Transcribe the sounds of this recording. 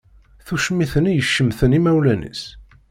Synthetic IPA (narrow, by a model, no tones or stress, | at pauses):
θuʃmːiθənjəʃːəmθənimæwlænḭs